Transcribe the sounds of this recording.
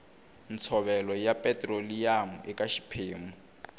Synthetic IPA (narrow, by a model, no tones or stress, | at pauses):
nt͡sʰɔβɛlɔjapʼɛtʼrolijam̩ʔɛkʼaʃi̥pʰeːŋu